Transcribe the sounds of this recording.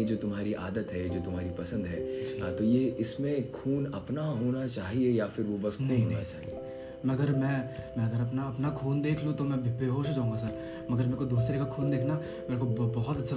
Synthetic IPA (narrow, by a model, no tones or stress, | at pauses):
ed͡ʒoːt̪ʊmɦaːɾiʔa̰ːd̪ət̪ɦɛd͡ʒoːt̪ʊmɦaːɾipɐsə̃nd̪ɦɛːat̪ojeːɪsmẽkʰuːnɐpnaɦoːnat͡ʃaːɦiejafɪɾʋobɐsknɐɦɦõːnat͡ʃa̰ːɦḭe | mɐɡəɾmɛ̃mɛ̃ɐɡəɾɐpnaɐpnakʰuːnd̪eːkʰlut̪omɛ̃bbʱeɦoːʃd͡ʒaːũŋɡas̬ɐɾ | mɐɡəɾmɛ̃ːkod̪uːs̬ɾekakʰuːnd̪eːkʰna | meːɾekobbɔɦɔt̪ɐtːʃʰa